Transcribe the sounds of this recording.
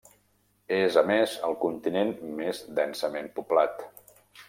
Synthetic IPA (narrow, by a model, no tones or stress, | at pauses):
ezəmezə̰lˠkunt̪inenmezd̪ɛnsəmempuplat̪